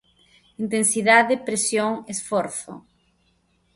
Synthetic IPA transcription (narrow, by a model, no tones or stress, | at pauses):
int̪ensiðaðepɾesjoŋesfɔɾθʊ̰